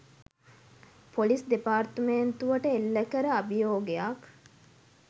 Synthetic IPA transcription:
polisd̪epaːrt̪əment̪uʋəʈəelːəkəɾəɐbijoːɡejak

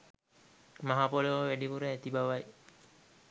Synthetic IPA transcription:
maɦapoloʋəʋæɖipuɾəːt̪ibaʋaj

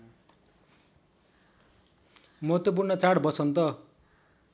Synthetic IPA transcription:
mʌɦʌt̪ːʌp̬urnʌt͡saɽbʌsʌnt̪ʌ

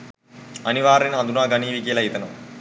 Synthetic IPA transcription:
ɐniʋaːɾenɐd̪unaːɡɐniːʋikijɐlɐɦit̪ɐnɐʋ

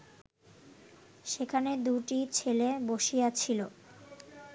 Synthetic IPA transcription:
ʃekʰaned̪uʈit͡ɕʰeleboʃijat͡ɕʰilo

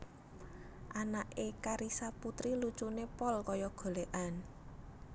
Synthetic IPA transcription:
ʔanaʔekaɾisaput̪ɾilut͡ʃunepɔlkɔjɔɡ̥o̤leʔan

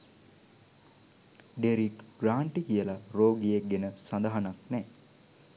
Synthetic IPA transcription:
ɖeɾikɡ̥ɾaːɳʈikijəlaroːɡijek̚ɡenəsand̪aɦanaknɛː

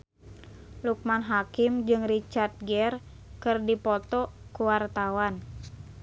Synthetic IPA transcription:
luk̚manɦakɪmd͡ʒɨŋrit͡ʃart̪̚ɡɛr | kɨrdipɔt̪ɔkuwart̪awan

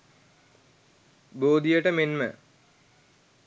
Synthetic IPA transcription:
boːd̪ijəʈəmenmə̰

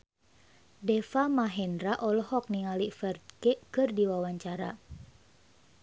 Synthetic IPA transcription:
dɛfamaɦɛndɾaʔɔlɔhɔk̚niŋalifɛrt̪̚kɛkɨrdiwawaɲt͡ʃaɾa

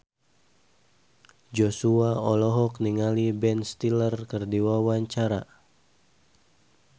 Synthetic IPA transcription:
d͡ʒosuaɔlɔɦɔk̚niŋalibɛnst̪ilərkərdiwawaɲt͡ʃaɾa̰

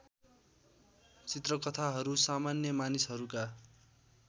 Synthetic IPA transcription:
t͡sit̪rʌkʌt̪ʰaɦʌɾusamanjʌmanisɦʌɾuka

